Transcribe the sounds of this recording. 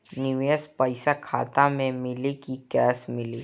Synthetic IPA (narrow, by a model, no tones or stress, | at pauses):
nɪʋeəspɐɪsakʰa̰ːt̪amẽmɪlikikɛːsmɪliː